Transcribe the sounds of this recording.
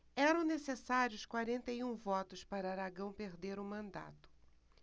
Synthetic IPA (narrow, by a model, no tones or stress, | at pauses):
ɛɾɐ̃w̃nesesaɾjʊskwaɾẽnt̪ɐjũvɔt̪ʊspaɾɐaɾaɡɐ̃w̃peɾd̪eɾʊmɐ̃nd̪a̰t̪ʊ̥